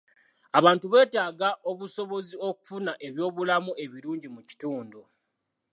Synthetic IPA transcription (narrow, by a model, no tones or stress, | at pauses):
aβaːntuβe̞ːtaːɡaʔo̞βuso̞βo̞zio̞ku̥funaʔe̞βjo̞ːβulamue̞βiɾuːɲɟimuci̥tuːndu